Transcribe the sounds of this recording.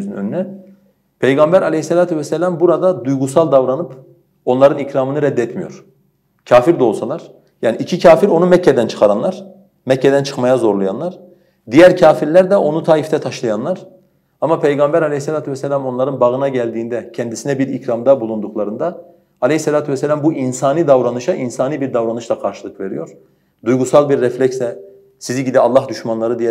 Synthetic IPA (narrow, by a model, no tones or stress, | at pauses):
zynønynɛ | pʰejɡambæɾʔalʲeisːelʲaːt̪ʰuvɛsːɛlʲambuɾad̪ad̪ujɡusalˠd̪avɾanɯp | o̞nlˠaɾɯnicɾaːmɯnɯɾɛd̪ːɛt̪mijo̞̰ɾ̥ | cʰaːfiɾd̪ɛo̞lˠsalˠaɾ̥ | jaːniicʰicʰaːfiɾo̞numɛcːɛd̪ænt͡ʃʰɯ̥χaɾanlˠaɾ̥ | mɛcːɛd̪ænt͡ʃʰɯ̥xmajazo̞ɾlˠaja̰nlˠaɾ | d̪ijæɾcʰaːfiɾlʲæɾd̪ɛʔo̞nut̪ʰaːift̪ʰɛt̪ʰaʃlˠajanlˠaɾ̥ | amapʰejɡambæɾalʲeisːelʲaːt̪ʰuvɛsɛlʲamonlˠaɾɯnbaɣɯnaɟælʲd̪iːnd̪ɛcʰɛnd̪isinɛbiɾicɾamd̪abulˠund̪uklˠaɾɯnd̪aː | lʲehisːelʲaːt̪ʰuvɛsːɛlʲambuʔinsaːniːd̪avɾanɯʃaʔinsaːniːbiɾd̪avɾanɯʃlˠakʰaɾʃɯlˠɯkve̞ɾḭjo̞ɾ̥ | d̪ujɡusalˠbiɾːɛflʲɛcsɛ | siziɟid̪ialˠːahd̪yʃmanlˠaɾɯd̪ijɛ